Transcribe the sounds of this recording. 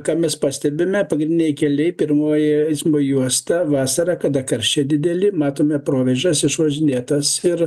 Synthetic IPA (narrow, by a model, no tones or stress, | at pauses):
kɑːmʲɛspɑːsʲt̪ʲɛbʲɪmʲɛpɐɡɾʲɪnd̪ʲɪnʲɛɪkʲɛlʲɛɪpʲɪrmoːjɛɐɪsʲmbojuɔst̪ɐʋɑːsɐɾɑːkɐd̪ɐkɐɾʲʃʲt͡ʃʲɛd̪ʲɪd̪ʲɛlʲɪmɑːt̪oːmʲɛpɾoːʋʲɛʒʲɛsɪʃʋɐʒʲɪnʲeːt̪ɐsɪr